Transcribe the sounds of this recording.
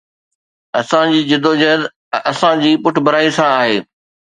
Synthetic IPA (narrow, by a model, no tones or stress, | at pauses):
ɐsãd͡ʑiːd͡ʑɪd̪oːd͡ʑɐɦd̪ | ɐsãd͡ʑiːpʊʈ̆ʰbɐɾaːisãaːɦeː